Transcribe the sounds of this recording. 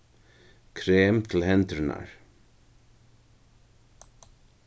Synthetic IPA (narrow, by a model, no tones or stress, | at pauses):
kʰɾeːmt̪ʰɪlhɛnt̪ɾɪna̰ɹ